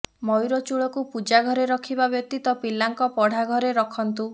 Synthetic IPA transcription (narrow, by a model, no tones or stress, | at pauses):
mɔjɾɔt͡ʃuɭɔkupud͡ʒaɡʱɔɾeɾɔkʰibabjɔk̚t̪it̪ɔpilːaŋkɔpɔɽ̤ʱaɡʱɔɾeɾɔkʰɔnt̪u